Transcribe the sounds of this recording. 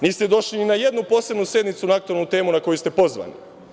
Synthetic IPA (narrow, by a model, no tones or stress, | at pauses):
niːst̪ed̪o̞ʃlininaje̞d̪nupo̞ːse̞bnusje̞d̪nit̪sunaak̚t̪uelnut̪e̞ːmunako̞just̪epo̞zʋa̰nḭ